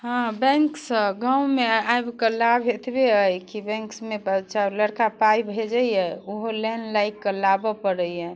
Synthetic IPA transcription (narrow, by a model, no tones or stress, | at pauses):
ɦãbɛ̃ŋksəɡãwmeajbkəlabʱet̪beəjkibɛ̃ŋksmebətːʃaləɽkapajbʱed͡ʒəjjɛoɦoleɦnlajkːəlabɔpəɽəjjɛ